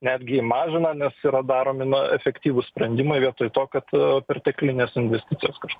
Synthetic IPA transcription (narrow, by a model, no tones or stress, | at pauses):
nʲæːd̪ʲɡʲɪimɑːʒʲɪnɐnʲɛsiːɾɐd̪ɑːɾoːmʲɪnʊɛfʲɛkt̪ʲiːʋʊsʲpʲɾʲɛnʲd̪ʲɪmɐɪʋʲiɛt̪oːjɪt̪oːkɐt̪pʲɛrʲt̪ʲɛklʲɪnʲeːsɪnʲʋʲɛsʲt̪ʲɪt͡ssʲɪjoːskɐʃkː